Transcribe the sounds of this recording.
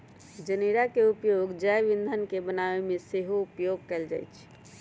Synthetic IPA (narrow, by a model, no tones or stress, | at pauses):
d͡ʒəniɾakeupjoɡd͡ʒəjʋind̪ʱənkebənaʋemeseɦoupjoɡ̚kɛld͡ʒa̰jt͡ʃʰ